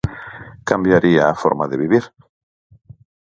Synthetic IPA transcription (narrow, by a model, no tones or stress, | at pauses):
kambjaɾiaːfoɾmaðeβiβiɾ